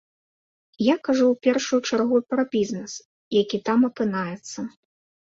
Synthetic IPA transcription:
jakaʐuwpʲɛrʂujut͡ʂarɣupɾɐbʲiznɨs | jakʲit̪amɐpɨnajɛt̪sːɐ

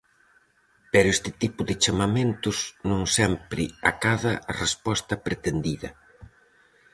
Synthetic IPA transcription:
pɛɾʊɛst̪ɪt̪ipʊðɪt͡ʃamament̪ʊznõŋsɛmpɾɪa̰kaðɐrespɔst̪ɐpɾet̪end̪iðɐ̰

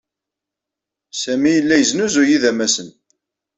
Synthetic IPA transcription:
sæmijəlːæjəznuzujiðæmæsən

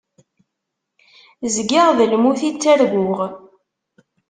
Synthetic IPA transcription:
zɡɪʁðəlmuθit͡sːæɾɡʷʊʁ

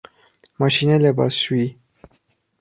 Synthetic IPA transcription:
maʃineleba̰sui

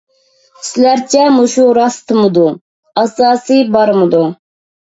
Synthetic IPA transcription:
slæɾt͡ʃʰɛmuʃuɾɑst̪ʰɨmɨd̪u | ɑsɑːsɨjbɑɾmɨd̪u

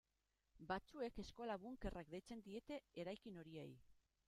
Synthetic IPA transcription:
bat͡sue̞ke̞skolaβuŋke̞rʔak̚d̪e̞jt͡se̞nd̪ie̞t̪e̞eɾajkino̞ɾie̞̰j

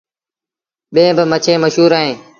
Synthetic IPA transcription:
ɓẽːbɪmət͡ʃʰẽːməʃɦuːɾaːɦẽː

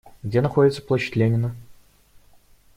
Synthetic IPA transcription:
ɡdʲenɐxodʲɪt̪sə̥plˠoɕɪ̥tʲlʲenʲɪnə

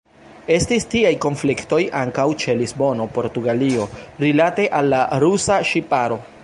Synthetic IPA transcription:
e̞stistiajko̞nflikto̞jʔaŋkawt͡ʃe̞lizbo̞no̞po̞ɾtuɡalio̞ɾilate̞ʔalːaɾusaʃipaɾo̞

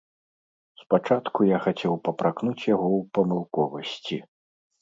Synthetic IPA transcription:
spat͡ʂat̪kujaxat͡sʲɛwpɐpɾaknut͡sʲjaɣɔwpɐmɨlˠkɔvɐsʲt͡sʲi

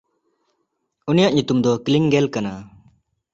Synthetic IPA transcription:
unijaʔɲut̪umd̪ɔkliŋɡelkana

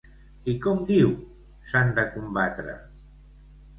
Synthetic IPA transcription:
ikɔmd̪iw | sand̪əkumbat̪ɾə̰

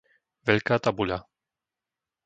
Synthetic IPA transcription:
ʋɛʎkaːt̪abuʎa

